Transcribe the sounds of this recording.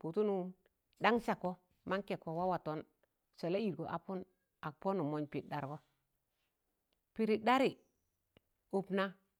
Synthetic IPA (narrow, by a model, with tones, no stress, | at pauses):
pu˨tu˦nu˦ | da˦ŋsa˨ko˦ | ma˦ŋke˨ko˨wa˦wa˨to˦n | se˨la˦i˨ɾko˨ʔa̰˨pu˦n | a˨k̚po˦nu˨mo˦ɲpi˨t̚da˨ɾko˦ | pi˨ɾi˨da˦ɾi˨ | u˨pna˦